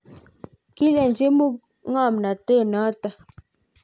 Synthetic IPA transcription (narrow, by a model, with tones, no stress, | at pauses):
ki˦lɛ˨nd͡ʒe˦mu˦˨k̚ | ŋa˦˨mna˨tə˦˨na˨˦tə˦